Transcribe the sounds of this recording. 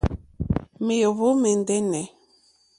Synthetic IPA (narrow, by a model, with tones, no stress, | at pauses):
me˨jo˨βo˦me˨n˨dɛ˦nɛ˨˦